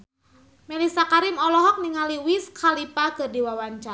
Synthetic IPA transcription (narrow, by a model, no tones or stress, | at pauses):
mɛlisakaɾimɔlɔɦɔk̚niŋaliwiskʰalipakɨrdiwawaɲt͡ʃa